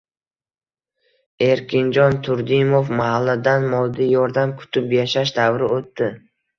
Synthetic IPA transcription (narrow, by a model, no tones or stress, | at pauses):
e̞ɾkʲʰɪnd͡ʒɒnt̪ʰʊɾd̪ɪmofmahalːad̪anmɒlˠd̪ijɒɾd̪amkʰʊ̥t̪ʰɪpjaʃaʃd̪avɾɪot̪ːɪ